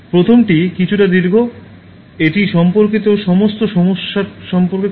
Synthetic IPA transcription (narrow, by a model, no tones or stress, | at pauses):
pɾot̪ʰomʈikit͡ɕʰuʈad̪iɾɡʱo | eʈiʃɔmpoɾkit̪oʃɔmost̪oʃɔmoʃːaɾʃɔmpoɾke